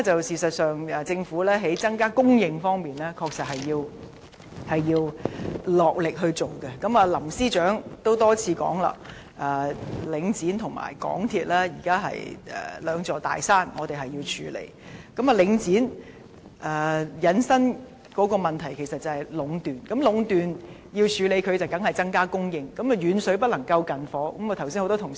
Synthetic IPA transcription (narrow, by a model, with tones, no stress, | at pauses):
t͡sɐ˨wsiː˨sɐ˨t̚sœː˨ŋɐː˨˧t͡sɪ˧ŋfuː˨˥lɛː˥ɦe˨˥jt͡sɐ˥ŋkaː˥kʊ˥ŋjɪ˨˧ŋfɔː˥ŋmiː˨nlɛː˥kʰɔː˧k̚sɐ˨t̚hɐ˨jːiː˧w | hɐ˨jjiː˧wlɔː˨k̚lɪ˨k̚ɦɵ˧ɥt͡so˨wkɛ˧kɐ˨˥mɐː˨˧lɐ˨˩msiː˥t͡ʃœː˨˥ŋt̪o˥wt̪ɔː˥t͡sʰiː˨˧kɔ̰ː˨˥ŋla̰ː˨ | ʔɐː˨˩lɪ˨˧ŋt͡siː˨˥nt̪ʰʊ˨˩ŋma̰ː˨˩jkɔ̰ː˨˥ŋt̪ʰiː˧t̚lɛː˥jiː˨˩kaː˥ɦɐ̰˨jɛ̰ː˨lœː˨˧ŋt͡sɔː˨t̪a̰ː˨jsaː˥nŋɔ̰ː˨˧t̪e˨jɦɐ˨jiː˧wt͡ʃʰyː˨˧lḛ˨˧˥j | kɐ˨˥ma˨lɪ˨˧˥ŋt͡siː˨˥n | ʔɛː˨jɐ˨˧nsɐ˥n | kɔː˨˥kɔː˧mɐ˨nt̪ʰɐ˨˩jkʰe˨˩jsɐ˨t̚t͡sɐ˨˧hɐ˨˩jlʊ˨˧˥ŋt̪yː˨˩nkɐ˨˥mlʊ˨˧ŋt̪yː˨n | jiː˧wt͡ʃʰyː˨˧le˨˧jkʰɵ˨˧ɥt͡sɐ˨wkɐ˨˥ŋhɐ˨jt͡sɐ˥ŋkaː˥kʊ˥ŋjɪ˧ŋkɐ˨˥mɐ˨˧jyː˨˧nsɵ˨˥ɥpɐ˥t̚lɐ˨˩ŋkɐ˧wkɐ˨nfɔː˨˥kɐ˨˥mɐː˨˧t̪ʰwsiː˥nho˧wtɔ˥tʰʊ˨˩ŋ